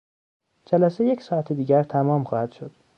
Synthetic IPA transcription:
d͡ʒælæseje̞csɒːæt̪ʰed̪iːɟæɾt̪ʰæmɒːmχɒːhæd̪̥ʃo̞d̪̥

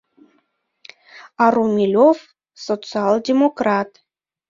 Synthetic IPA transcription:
ɑɾumʲilʲof | sot͡sɨɑlˠdʲemokrɑt̪

